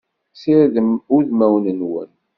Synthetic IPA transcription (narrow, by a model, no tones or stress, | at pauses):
siɾðəmʊɾðmæwnənwə̰n